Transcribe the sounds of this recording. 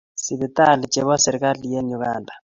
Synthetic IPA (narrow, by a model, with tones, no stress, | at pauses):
si˨βi˨t̪a˦˨li˨t͡ʃɛ˨βɔ˦sɛ˨ɾi˨ka˦li˨je˦ɲu˨ɣaːndʱa˨